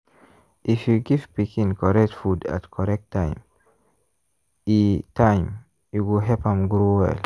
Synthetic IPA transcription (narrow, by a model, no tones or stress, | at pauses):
ʔifjuɡivpikĩŋkʰɔɾɛk̚tfuda̰tkʰɔɾɛk̚tʰːajm | itajm | juɡoɦɛpãmɡɾoːwɛ̰l